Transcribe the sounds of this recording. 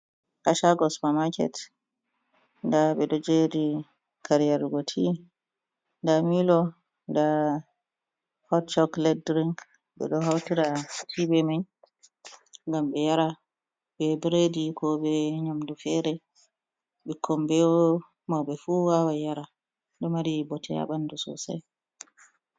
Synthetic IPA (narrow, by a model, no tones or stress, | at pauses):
kaʃaɡɔsmamakɛ̰t | ndabɛɗɔd͡ʒedi | kʰaɾijaɾɡotʰi | ndamilɔ | nda | hɔtt͡ʃɔklɛd̚dɾiŋk | bɛ̰ɗɔhawtiɾatʰibɛmaj | ŋɡamɓɛjaɾa | bɛbɾedikɔɓɛɲamdufɛɾɛ | ɓɛkʰɔmbɛɔ | mawbɛfuwawajaɾa | ɗɔmaɾibɔtʰɛja̰ɓandusɔ̰sa̰j